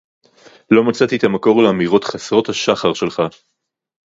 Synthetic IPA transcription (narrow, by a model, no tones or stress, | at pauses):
lo̞mat͡sat̪iet̪amako̞ʁleamiʁo̞t̪χasʁo̞t̪haʃaχaʁʃe̞lχa